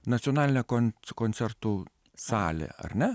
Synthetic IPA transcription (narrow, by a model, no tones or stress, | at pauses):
nɐt̪sʲioɔnaːlʲɪnʲɛkonkoːnʲsʲɛɾt̪u | sɑːlʲḛɐ̰ɾnʲɛ